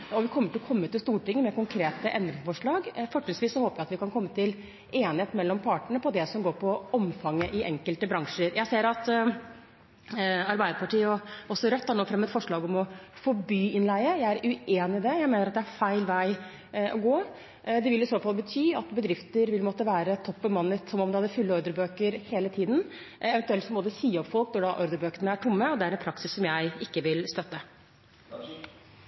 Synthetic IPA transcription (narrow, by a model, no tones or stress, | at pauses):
ɔʋɪkʰɔmːəʈʰɪlɔkʰɔmːət̪ɪlst̪uːʈɪŋːəmɛkʊŋkʰɾeːt̪əʔɛnd̪ɾɪŋsəfɔʂɭɑːɡfɔʈ̪ːɪsʋiːsɔhoːpəjæɪɑt̪ʋɪkɑnkʰɔmːət̪ɪl | eːnɪheːt̪mɛlːɔmpʰɑːʈəɳəpɔd̪ɛsɔmɡoːɾpʰɔɔmfɑŋːəʔɪʔɛŋkəlt̪əbɾɑŋʂəɾjæɪseːɾɑt̪ | ɑɾbæɪd̪əɾpʰɑʈiːəɔɔsːɔɾœt̪ːæːɳoːfɾɛmːɛt̪fɔʂɭɑːɡɔmɔfoːbyːɪnlæɪəjæɪæɾʉeːnɪd̪ɛjæɪmeːnəɾɑt̪d̪ɛæɾfæɪlʋæɪ | ʔɔɡoː | d̪ɛʋɪlːɪsoːfɑlˠbət̪ʰyːɑt̪bəd̪ɾɪft̪əɾʋɪlmɔt̪ːəʋæːɾət̪ʰɔpːɔmɑnːət̪sɔmɔmd̪ɛhɑd̪ːəfʉlːəɔɾd̪əɾbøːkəɾheːlət̪ʰiːd̪n | ɛʋɛnt̪ʉɛlt̪sɔmɔːd̪əsiːɔpːfɔlknɔɖɑʔɔɾd̪əɾbøːkəɳəæʈʰʊmːəɔd̪ɛæɾɛnpʰɾɑksɪsːɔmjæɪɪkːəʋɪlst̪œt̪ːə